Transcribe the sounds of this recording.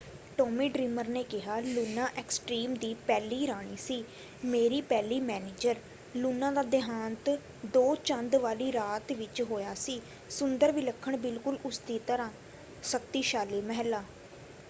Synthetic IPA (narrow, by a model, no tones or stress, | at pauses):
ʈoːmiːɖɾiːməɾneːkɪɦaːluːnãːʔɛːksʈɾiːmd̪iːpɛːliːɾaːɽ̃iːsiː | meːɾiːpɛːliːmɛːneːd͡ʒəɾ | luːnãːd̪aːd̪ɪɦaːnt̪ | d̪oːt͡ʃənd̪ʋaːliːɾaːt̪ʋɪt͡ʃɦoːjaːsiː | sʊnd̪əɾʋiːləkʰːəɳbɪlkʊlʊsd̪iːt̪əɾãː | sək̚t̪iːʃaːliːməɦɛlːaː